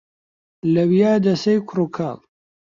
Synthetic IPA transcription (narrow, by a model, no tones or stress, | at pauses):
lɐwijaːd̪ɐsejkʰʊɾukʰam